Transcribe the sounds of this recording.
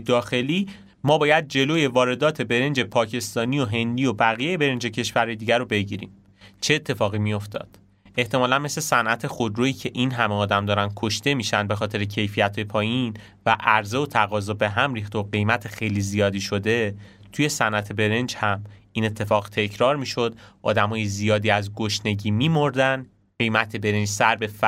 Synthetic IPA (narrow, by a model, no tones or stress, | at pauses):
d̪ɒːxe̞liː | mɒːbɒːjæd̪̚d͡ʒe̞loːje̞vɒːɾe̞d̪ɒːt̪ʰe̞be̞ɾe̞nd͡ʒe̞pʰɒːcʰe̞st̪ɒːnio̞ɦe̞nd̪ijo̞bæɣijejebe̞ɾe̞nd͡ʒe̞cʰe̞ʃvæɾɒjed̪iːɟæɾobe̞ɟiɾḭːm | t͡ʃʰe̞ːt̪ʰːe̞fɒːɣimijo̞ft̪ɒ̰ːd̪̥ | eht̪ʰe̞mɒːlænmesle̞sænʔæt̪ʰe̞xod̪ɾoːiːcʰe̞ʔinɦæmeɒːd̪æmd̪ɒːɾæn̥̚kʰo̞ʃt̪e̞miːʃænd̪bexɒːt̪ʰe̞ɾecʰe̞jfijæt̪ʰɒjepʰɒːjin | væʔæɾze̞ot̪ʰæɣɒːzɔbe̞ɦæmɾiːxt̪oɢe̞jmæt̪ʰexejlizijɒːd̪iːʃo̞d̪e̞ | t̪ʰuje̞sænʔæt̪ʰe̞be̞ɾend͡ʒhæmiːne̞t̪ʰːe̞fɒːɣt̪ʰe̞cʰɾɒːɾmiːʃo̞d̪ʔɒ̰ːd̪æmɒːjezijɒːd̪iːæzɡoʃne̞ɟiːmiːmoɾd̪æn | ɢejmæt̪ʰe̞be̞ɾend͡ʒsæɾbe̞f